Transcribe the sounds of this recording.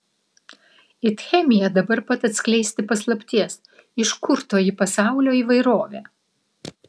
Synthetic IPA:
ɪt̪xʲɛmʲɪjɛd̪ɐbɐɾpɐt̪ɐt̪ʲsʲklʲɛɪsʲt̪ʲɪpɐslˠɐpʲt̪ʲiɛs | ɪʃkʊɾt̪oːjɪpɐsɑˑʊlʲoːiːʋɐɪɾoːʋʲæː

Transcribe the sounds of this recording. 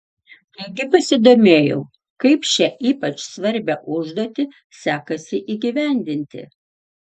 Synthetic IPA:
t̪ɐɪɡʲɪpɐsʲɪd̪oːmʲeːjɛʊ | kɐɪpʃʲɛʔiːpɐt͡ʃsʋɐɾʲbʲɛʔʊʒd̪oːt̪ʲɪ | sʲæːkɐsʲɪʔiːɡʲiʋʲæˑnʲd̪ʲɪnʲt̪ʲɪ̰

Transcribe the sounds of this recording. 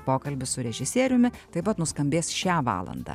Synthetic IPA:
poːkɐlʲbʲɪsʊɾʲɛʒʲɪsʲiɛɾʲʊmʲɪt̪ɐɪpɐt̪nʊskɐmʲbʲeːsʃʲæːʋɑ̰ːlˠɐ̰nd̪ɑ̰ː

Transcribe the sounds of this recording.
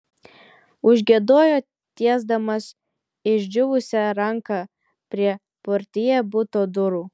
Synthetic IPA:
ʊʒʲɡʲiɛd̪oːjoː | t̪ʲiɛzd̪ɐmɐs | ɪʒʲd͡ʒʲʊʋʊsʲɛɾɐŋkɑ | pʲɾʲiɛ | pʊɾʲt̪ʲɪjɛbʊt̪oːd̪ʊɾuː

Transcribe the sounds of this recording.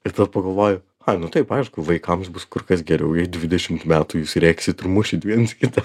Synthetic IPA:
ɪt̪ɐppɐɡɐlˠʋoːjʊ | ɐnʊt̪ɐɪpɐɪɪʃkʊʋɐɪkɐmsbʊskʊɾkɐsɡʲɛɾʲɛʊjɛɪd̪ʲʋʲɪd̪ʲɛʃʲɪmt̪mʲæːt̪ʊjuːsɾʲæːkʲsʲɪt̪rmʊʃʲɪt̪ʲʋʲiɛnskʲɪt̪ɐ

